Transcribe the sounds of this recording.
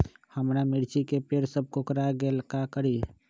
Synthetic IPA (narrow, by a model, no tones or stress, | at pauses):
həmɾamɪɽt͡ʃikepeɾsəb̚kokəɾaɡelkakəɾi